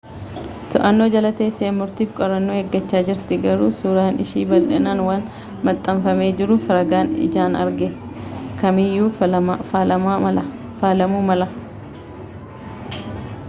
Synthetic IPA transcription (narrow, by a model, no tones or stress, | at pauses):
t̪ɔʔɐnːo̞ːd͡ʒɐlɐt̪e̞ːsːeːmːʊɾt̪iːfkʼɔɾɐnːoːheɡːɐt͡ʃːaːd͡ʒɪɾt̪ɪɡɐɾuːsuːɾaːnɪ̰ʃiːbɐlᶑɛnaːnwaːn | mɐt̪ʼːɐmfɐme̞ːd͡ʒɪɾʊfɐɾɐɡaːnɪ̰d͡ʒaːnɐ̰ɾɡɛ | kɐmɪjːuː | ɐ | faːlɐmuːmɐlɐ